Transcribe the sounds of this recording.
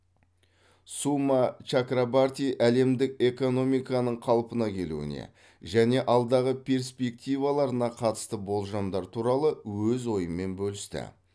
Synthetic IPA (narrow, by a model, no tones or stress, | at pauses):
sumat͡ʃakɾabart̪ʲijʔæle̞md̪ɪke̞ko̞no̞mijkɑnəɴqʰɑlˠpənɑkʲʰe̞lṵɪ̰nḛ | ʒæne̞ʔɑlˠd̪ɑʁəpʲʰe̞ɾspʲe̞k̚t̪ʲijvalˠɑɾənɑqʰɑt̪ə̥st̪əbo̞lˠʒɑmd̪ɑɾt̪ʰuɾɑlˠəwɵzwo̞jəmːe̞nbɵlɪst̪ɪ̰